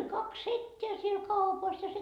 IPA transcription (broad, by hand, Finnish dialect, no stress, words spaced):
olʲ kɑks setːeæ siel kɑupɑs jɑ se